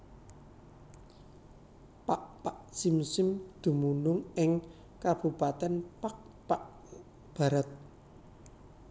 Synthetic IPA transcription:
paʔpaʔsimsɪmd̪̥ṳmunʊŋɪŋ | kab̥ṳpat̪ɛnpak̚ | paʔ | b̥a̤ɾət̪̚

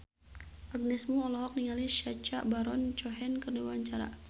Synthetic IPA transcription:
ʔab̚nɛsmuɔlɔɦɔk̚niŋaliʃat͡ʃaʔbaɾɔnt͡ʃɔɦɛnkərniwaɲt͡ʃaɾa̰

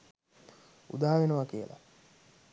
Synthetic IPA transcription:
ṵd̪aːaʋenəʋakijə̰lʔa̰

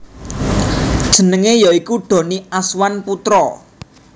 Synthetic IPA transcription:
d̥ʒ̥ə̤nəŋejɔikuɖ̥ɔ̤niaswanput̪ɾɔ

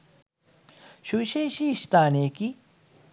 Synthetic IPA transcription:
ʃuʃeːʃiʃt̪aːneki

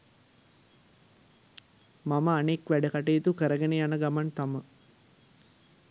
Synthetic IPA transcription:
maməanekʋæɖəkaʈejt̪ukəɾəɡenejanəɡamant̪amə

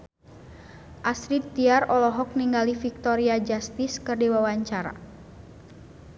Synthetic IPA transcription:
ʔasɾid̪̚t̪iarɔlɔɦɔk̚niŋɡalifik̚t̪ɔɾiad͡ʒast̪iskərdiwawaɲt͡ʃaɾa̰

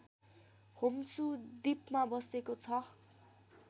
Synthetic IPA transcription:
homsud̪ipmabʌsekot͡sʰʌ

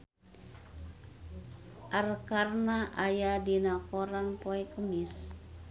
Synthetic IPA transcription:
ʔarkarnaʔajadinakoɾanpoɛkəmɪs

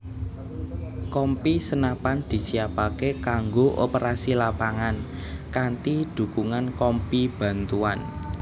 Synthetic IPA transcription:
kɔmpisənapand̪̥i̤siapakekaŋɡoʔo̰pəɾasilapaŋan | kant̪id̪̥ṳkuŋankɔmpib̥a̤nt̪uan

